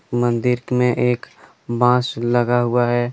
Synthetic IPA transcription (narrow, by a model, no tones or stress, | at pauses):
mə̃nd̪ɪɾkmẽʔeːk | bãːsləɡaɦuaɦɛː